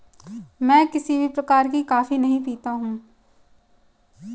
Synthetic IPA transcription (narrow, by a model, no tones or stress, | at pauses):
mɛ̃ːkɪsibʱipɾɐkaːɾkikaːfinɐɦĩpiːt̪aɦũː